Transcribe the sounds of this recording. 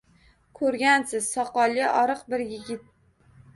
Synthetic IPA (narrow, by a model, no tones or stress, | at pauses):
kʰɵɾɡʲansɪz̥sɒqɒlˠɪʔɒɾɨqbɪɾjɪɡʲɪt̪̚